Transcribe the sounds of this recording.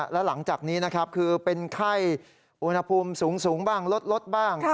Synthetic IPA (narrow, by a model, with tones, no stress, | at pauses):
lɛ˦˥wla˩˦ŋt͡ɕaː˨˩k̚niː˦˥na˦˥kʰa˦˥p̚kʰɯː˧pe˧nkʰa˥˩j | ʔu˧nha˧pʰuː˧msuː˩˦ŋsuː˩˦ŋbaː˥˩ŋlo˦˥t̪̚lo˦˥t̪̚baː˥˩ŋ